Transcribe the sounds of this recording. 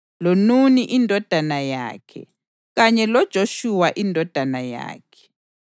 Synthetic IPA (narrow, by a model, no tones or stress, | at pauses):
lonuniʔindʱɔd̥ʱanaja̰ːkʰɛ̰ | ɣaɲɛlɔd̥ʒ̥ʱoʃuwaʔindʱɔd̥ʱanaja̰ːkʰɛ̥